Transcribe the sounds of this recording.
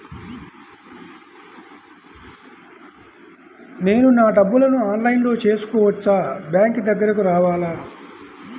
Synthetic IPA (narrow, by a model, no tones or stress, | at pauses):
ne̞ːnunaːɖɐbːulɐnuaːnlɐjnlo̞ːt͡ʃe̞ːsu̥kɔːʋɐt͡ʃːaːbjaːŋkd̪ɐɡːɐɾɐkuɾaːʋaːlaː